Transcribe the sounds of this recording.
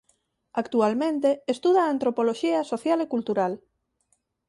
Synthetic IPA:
akt̪ualmẽnt̪eest̪uð̞aːnt̪ɾopoloʃiɐsoθjalekult̪uɾal

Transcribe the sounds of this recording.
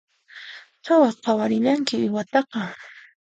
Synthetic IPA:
t͡ʃawɑqɑwaɾɪʎaŋkɪɪwat̪ɑqɑ

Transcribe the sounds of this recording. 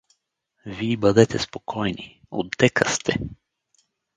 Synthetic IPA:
viːbad̪ɛt̪ɛspokʰɔjni | o̰d̪ːɛkast̪ʰɛ

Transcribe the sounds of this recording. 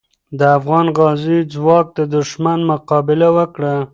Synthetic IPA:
d̪əafɣɑnɣɑzid͡zwɑk̚d̪əd̪ʊʃmanmʊqɑbɪlawəkɽa

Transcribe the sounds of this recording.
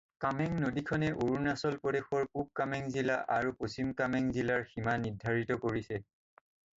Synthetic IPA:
kamɛŋnodikʰɔnɛʔoɹunasɔlpɔdexɔɹkub̚kamɛŋzilaʔaɹuposimkamɛŋzilaɹximanidʱːaɹitɔkoɹisɛ

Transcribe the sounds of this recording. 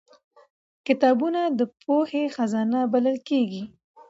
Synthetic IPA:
kɪt̪ɑbunad̪əpʰohexazɑnabaləlkeɡi

